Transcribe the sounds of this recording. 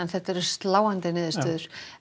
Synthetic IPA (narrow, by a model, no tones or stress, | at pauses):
ɛnθɛht̪aɛɾɛ̥st̪laːwant̪ɪnɪːðɪst̪œːðʏɾ̥